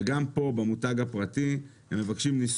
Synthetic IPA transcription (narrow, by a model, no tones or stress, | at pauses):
ɡampo̞bamutaɡapʁat̪i | hemːevakʃimnis